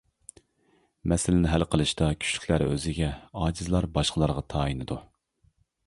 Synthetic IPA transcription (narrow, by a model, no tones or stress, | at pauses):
mɛsɪlɪnɪɦælqʰəlˠɨʃt̪ɑkʲʰy̥t͡ʃly̥kʲlæɾø̰zɪɡʲɛɑːd͡ʒizlˠɑɾbɑʃqəlˠɑɾʁɑt̪ʰɑːinɨd̪u